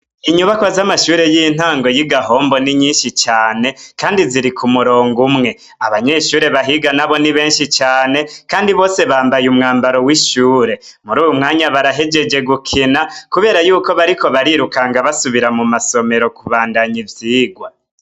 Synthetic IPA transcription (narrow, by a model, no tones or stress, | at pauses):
iɲuβakwazamaʃuːɾe̞jin̥haːŋɡo̞jiɡaɦo̞ːmbo̞niɲiːnʃit͡ʃaːne̞kaːndiziɾikʰumuɾo̞ːŋɡumŋe̞ | aβaɲe̞ʃuːɾe̞βaɦiɡanaβo̞niβe̞ːnʃit͡ʃaːne̞kaːndiβo̞ːse̞βaːmbajumŋaːmbaɾo̞wiʃuːɾe̞ | muɾuːjumŋaːɲaβaɾaɦe̞d͡ʒe̞d͡ʒe̞ɡukʰinakuβe̞ːɾajuːko̞βaɾikʰo̞βaɾiɾukaŋɡaβasuβiɾamumaso̞me̞ɾo̞kuβaːndaɲivjiːɡwa